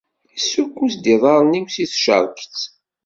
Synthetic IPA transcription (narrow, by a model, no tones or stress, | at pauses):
isukːusd̪iðˤɑɾˤniwsiθʃə̰ɾˤkt͡sː